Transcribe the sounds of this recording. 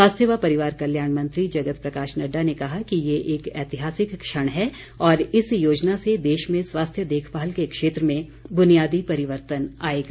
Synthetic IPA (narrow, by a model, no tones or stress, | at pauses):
sʋaːst̪ʰjəʋapɐɾɪʋaːɾkɐljaːɳ̃mɐ̃nt̪ɾid͡ʒɐɡət̪pɾɐkaːʃnɐɖːanekɐɦakijeʔeːkɛːt̪ɪɦaːsɪkːʃəɽ̃ɦɛ | ɔːɾɪsjoːd͡ʒnased̪eːʃmẽswaːst̪ʰjəd̪eːkʰbaːəlkekʃeːt̪ɾəmẽ | bʊnijaːd̪ipɐɾɪʋəɾt̪ənaːeːɡa